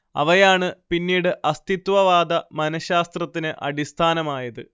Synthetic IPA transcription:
ɐ̰ʋɐjaːɳɨpinːiːɽɨʔɐst̪ʰit̪wɐʋaːd̪ɐmɐnɐɕaːst̪rɐt̪ːinɨʔɐ̰ɽist̪ʰaːnɐmaːjɐðɨ̰

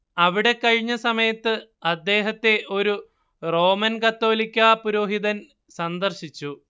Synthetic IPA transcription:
ɐʋiɽe̞kɐɻiɲːɐsɐmɐjɐt̪ːɨɐd̪ːe̞ːɦɐt̪ːe̞ʔo̞ɾu | ro̞ːmɐnkɐt̪ːo̞ːlikʲːaːpuɾo̞ːɦiðɐn | sɐnd̪ɐrɕit͡ɕːu

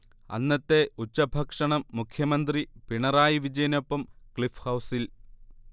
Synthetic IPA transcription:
ɐ̰nːɐt̪ːe̞ut͡ɕːɐbʱɐkʂɐɳɐmːukʰjɐmɐnd̪ripiɳɐraːjiʋid͡ʑɐjɐno̞pːɐmkɭifhɐwsil

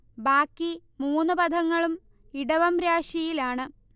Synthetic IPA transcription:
baːkːi | muːnːɨpɐd̪ʱɐŋːɐɭum | iɽɐʋɐmɾaːɕjɐjilaːɳɨ

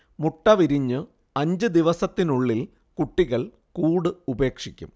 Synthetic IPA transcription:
muʈːɐʋiɾiɲːɨ | ɐɲd͡ʑɨd̪iʋɐsɐt̪ːinuɭːil | kuʈːiɣɐɭ | kuːɽɨube̞ːkʂikʲːṵm

